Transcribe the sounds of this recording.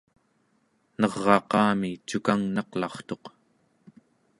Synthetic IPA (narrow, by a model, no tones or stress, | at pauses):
nʌʁːɑqɑːmit͡ʃukaŋnɑqlɑχt̪o̞q